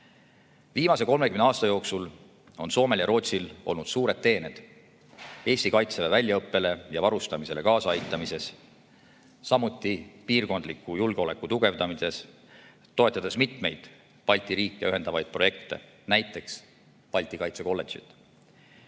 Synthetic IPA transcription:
viːmɑse̞ko̞lmekymneɑːst̪ɑjo̞ːksul | o̞nso̞ːme̞ljɑɾo̞ːt̪silo̞̰lnud̪̥suːɾe̞d̪̥ːe̞ːned̪̥ | e̞ːsʲt̪ikɑjt̪sevevælʲjɑɤpːe̞le̞jɑvɑɾust̪ɑmise̞le̞kɑːsɑɑjt̪ːˑɑmise̞s | sɑmut̪ːˑipiːrko̞nd̪likːˑujulɡ̥eo̞le̞kːˑut̪uɡ̥e̞vd̪ɑmise̞s | t̪ːo̞e̞t̪ːˑɑd̪̥esmit̪me̞jd̪̥ | pɑlʲt̪ʲˑiɾiːkːˑejyɦe̞nd̪̥ɑvɑjd̪̚pro̞je̞kt̪e̞̰ | næjt̪ːˑe̞ks | pɑlʲt̪ʲˑikɑjt̪se̞ko̞lːe̞t̪sḭt̪ˑ

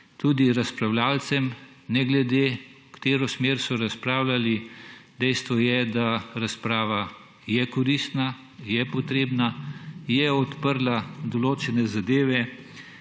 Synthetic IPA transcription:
t̪uːd̪iɾaspɾawlaːlt̪sɛm | nɛɡlɛd̪e | kt̪eːɾɔsmeːɾsɔɾaspɾaːwlalid̪ɛjst̪ʋɔjɛd̪aɾaspɾaːʋa | jɛkɔɾist̪na | jɛpɔt̪ɾeːbnajɛɔt̪pəɾlad̪ɔloːt͡ʃɛnɛzad̪eːʋɛ

